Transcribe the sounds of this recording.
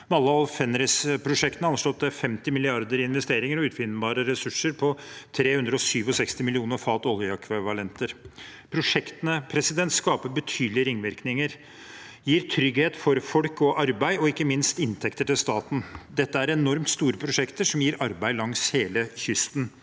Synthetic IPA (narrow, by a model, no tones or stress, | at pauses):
mɑlːəɑlfɛnɾɛspʰɾʊʂɛkt̪ənəɑnʂlɔt̪ːəfɛmt̪ɪmɪlɪɑɾd̪əɾɪnʋɛst̪eːɾɪŋəɾɔʉːt̪fɪnːbɑːɾəɾɛsʉʂːəɾpʰɔt̪ʰɾeːhʉnd̪ɾəɔsyːʋɔsɛkst̪ɪmɪlɪuːnəɾfɑːt̪ɔljəɑkʰʋɪʋɑlɛnt̪əɾpʰɾʊʂɛkt̪ənəpʰɾɛsɪd̪ɛnt̪skɑːpəɾbət̪ʰyːd̪lɪəɾɪŋʋɪɾknɪŋəɾ | jiːɾt̪ʰɾʏɡheːt̪fɔɾfɔlkɔʔɑɾbæɪɔɪkːəmɪnst̪ɪnt̪ʰɛkt̪əʈɪlst̪ɑːt̪n̩d̪ɛt̪ːəæɾɛnɔɾmt̪st̪uːɾəpʰɾʊʂɛkt̪əʂɔmjiːɾʔɑɾbæɪlɑŋsheːləçʏst̪n